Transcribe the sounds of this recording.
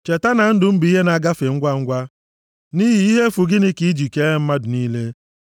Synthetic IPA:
t͡ʃe˨ta˦na˨n̩˦dʊ˨m̩˦bi˨i˦ɦe˦na˨ɡa˦fe˨ŋ̩˦ɡʷa˦˨ŋ̩˦ɡʷa˦ | ni˦ɦi˨i˦ɦe˦fu˨ɡɪ˦nɪ˦ki˦i˦d͡ʒi˨ke˦e˦m̩˦ma˦dʊ˨niː˦le˦

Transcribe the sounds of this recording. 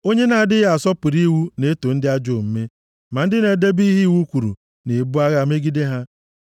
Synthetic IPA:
o˦ɲe˦na˨a˨dɪ˦ɣa˨sɔ˦pʊ˨ɾi˦wu˦ne˦to˨n̩˦dɪ˦a˦d͡ʒo˦˨m̩˦me˦ | ma˨n̩˦dɪ˦ne˨de˦bi˦ɦi˦˨wu˦kʷu˨ɾṵ˨ | ne˨bu˦a˦ɣa˦˨me˦ɡi˦de˦ɦa˦

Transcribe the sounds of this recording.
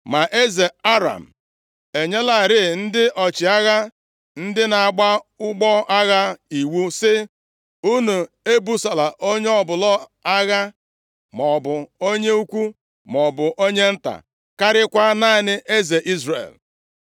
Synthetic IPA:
ma˨ʔe˦ze˨a˦ɾa̰˨m̩˨ | e˨ɲe˦la˨ɾɪ˦˨n̩˦dɪ˦ʔɔ˨t͡ʃɪ˨a˦ɣa˦ | n̩˦dɪ˦na˨a˨ɡ͡ba˦ʊ˦ɡ͡bɔ˦ʔa˦ɣa˦i˨wu˦sɪ˦ | u˦nu˨ | e˦bu˦sa˨la˨ʔo˦ɲe˦ɔ˨bʊ˨lɔ˦a˦ɣa˦ | mɔ˨bʊ˨o˦ɲe˦u˦kʷu˦ | mɔ˨bʊ˨ʔo˦ɲe˦n̩˦ta̰˨ | ka˦ɾɪ˦kʷa˦na˦nɪ˦ʔe˦ze˨ʔi˦zrḛ˨l

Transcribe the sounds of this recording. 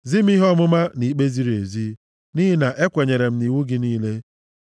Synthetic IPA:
zi˦m̩˦i˦ɦɔ˦mʊ˦ma˦ni˨k͡pe˦zi˦ɾe˨zi˦ | ni˦ɦi˦na˨ʔe˦kʷe˨ɲe˨ɾe˨m̩˦ni˨wu˦ɡɪ˨niː˦le˦

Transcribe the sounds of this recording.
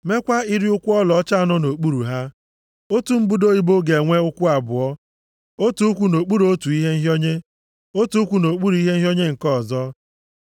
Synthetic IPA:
me˦kʷa˦i˦ɾɪ˦ʊ˦kʷʊ˦ɔ˦lɔ˨ɔ˦t͡ʃa˦˨nɔ˦no˨k͡pu˦ɾu˨ɦa˦ | o˦tu˨m̩˦bu˦do˦i˦bo˦ɡe˨ŋʷe˦ʊ˦kʷʊ˦a˨bʊ˨ɔ˦ | o˦tu˨˦u˦kʷu˨no˨k͡pu˦ɾo˦tu˨i˦ɦe˦n̩˦ɦjo˦ɲe˦ | o˦tu˨u˦kʷu˨no˨k͡pu˦ɾu˨i˦ɦe˦n̩˦ɦo˦ɲe˦ŋ̩˨kɔ˦˨zɔ˦

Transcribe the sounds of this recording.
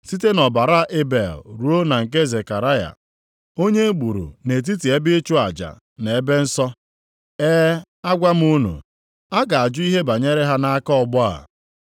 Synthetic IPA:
si˦te˦nɔ˨ba˨ɾa˦ʔe˦be˨lɾu˦o˦na˨ŋ̩˨k̬e˦ze˨ka˨ɾa˦ja̰˨ | o˦ɲe˦ɡ͡bu˨ɾṵ˨ne˨t̬i˦t̬i˨e˦bɪ˦t͡ʃʊ˦a̰˨d͡ʒa̰˨ | ne˨e˦be˦n̩˦sɔ˦ | ɛː˦ | a˦ɡʷa˦m̩˦u˦nṵ˨ | a˦ɡa˨a˨d͡ʒʊ˦i˦ɦe˦ba˨ɲe˦ɾe˦ɦa˦na˦a˦kɔ˦ɔ˨ɡ͡bʊ˦a̰˨

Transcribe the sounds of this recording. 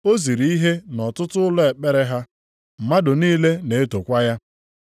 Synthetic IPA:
o˦zi˨ɾi˦ɦe˦nɔ˨tʊ˦tʊ˦ʊ˦lɔ˦e˨k͡pe˦ɾe˦ɦa˦ | m̩˨ma˦dʊ˨niː˦le˦ne˨e˦to˨kʷa˦ja˦

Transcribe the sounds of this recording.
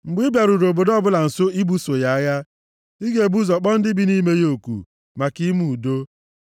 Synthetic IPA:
ŋ͡m̩˨ɡ͡bi˦bja˨ɾu˨ɾo˨bo˨dɔ˦bʊ˦la˨n̩˨so˦i˦bu˦so˨ja˦a˦ja˦ | i˦ɡe˨bu˦zɔ˨k͡pɔ˦n̩˦dɪ˦bi˦ni˦me˦jo˦˨kṵ˨ | ma˨ki˦mu˨u˨do˦

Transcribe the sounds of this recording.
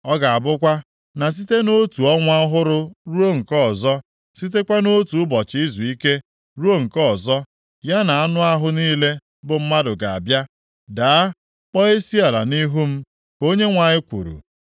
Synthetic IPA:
ɔ˦ɡa˨a˨bʊ˦kʷa˦ | na˨s̬i˦te˦no˦tu˨ɔ˦ŋʷa˦ɦʊ˦ɾʊ˦ɾu˦o˦ŋ̩˨kɔ˦˨zɔ˦ | si˦t̬e˦kʷa˦no˦tu˨ʊ˦bɔ˨t͡ʃɪ˨˦i˦zu˨i˦ke˦ | ɾu˦o˦ŋ̩˨kɔ˦˨zɔ˦ | ja˦na˨a˦nʊ˦a˦ɦʊ˦niː˦le˦ | bʊ˨m̩˦ma˦dʊ˨ɡa˨a̰˨bja˦ | daː˨a˦ | k͡pɔ˦e˦si˦a˨la˨ni˦ɦu˦m̩˦ | o˦ɲe˦ŋʷa˨ɲɪ˦kʷṵ˨ɾṵ˨

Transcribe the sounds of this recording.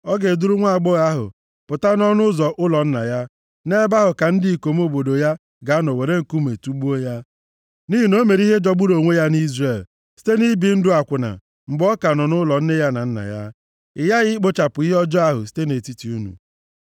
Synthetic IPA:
ɔ˦ɡe˨du˦ɾʊ˦ŋʷa˦a˨ɡ͡bɔ˦ɣa˦ɦʊ̰˨ | pʊ˨ta˦nɔ˦nʊ˦zɔ˨ʔʊ˦lɔ˨n̩˦na̰˨ja˦ | ne˦ba˦ɦʊ˨ka˨n̩˦dɪ˦˨i˨ko˨m˦o˦bo˨do˨ja˦ | ɡa˨˦nɔ˨we˨ɾe˦ŋ̩˨ku˦m˨e˨tu˦ɡ͡bu˦o˦ja˦ | ni˦ɦi˨no˦me˨ɾi˦ɦe˦d͡ʒɔ˦ɡ͡bʊ˦ɾo˨ŋʷe˦ja˦ni˦zre˨l | si̥˦te˦ni˦bi˨n̩˦dʊ˦a˨kʷʊ˨na̰˨ | ŋ͡m̩˨ɡ͡bɔ˦ka˨nɔ˨nʊ˦lɔ˨n̩˦ne˦ja˦na̰˨n̩˦na̰˨ja̰˦ | ɪ˨ja˦ɣɪ˦k͡po˦t͡ʃa˨pʊ˨i˦ɦɔ˦d͡ʒɔ˦a˦ɦʊ̰˨s̬i̥˦te˦ne˨ti˦ti˨˦u˦nṵ˨

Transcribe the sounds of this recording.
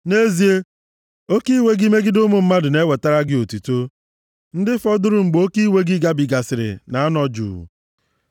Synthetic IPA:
ne˦zi˦e˦ | o˦ki˦we˦ɡi˦me˦ɡɪ˦dʊ˦mʊ˨m̩˦ma˦dʊ˨ne˦we˨ta˦ɾa˦ɡɪ˦o˨ti˨to˦ | n̩˦dɪ˦fɔ˦dʊ˦ɾʊ˦˨ŋ͡m̩˨ɡ͡bo˦ki˦we˦ɡɪ˦ɡa˦bi˨ɡa˨sɪ˨ɾɪ̰˨na˨a˦nɔ˦d͡ʒṵ˨

